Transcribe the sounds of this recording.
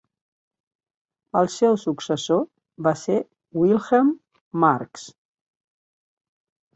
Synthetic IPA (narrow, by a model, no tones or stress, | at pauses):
əlˠsɛwsuksəso | base | wilˠxəmː | aɾks